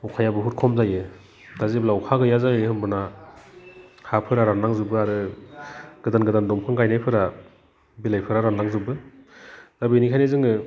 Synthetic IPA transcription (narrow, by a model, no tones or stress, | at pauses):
ukʰajabɯɦut̚kʰɔmzajɯ | d̥aziblaukʰaɡɯjazajɯɯhɯmbɯna | hapʰɯɾaɾanaŋzɯbɯaɾɯ | ɡ̥ɯdanɡɯdandɔmkʰɯŋɡajnajpʰɯɾa | bilajpʰɯɾaɾanaŋzɯbɯ | z̥abɯnikʰajnɯzɯŋɯ